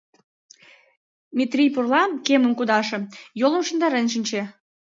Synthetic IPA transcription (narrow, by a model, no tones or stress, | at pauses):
mʲit̪rʲijpurlɑkemə̆mkud̪ɑʃĕjolə̆mʃə̆nd̪ɑɾenʃ̬inʲt͡ɕe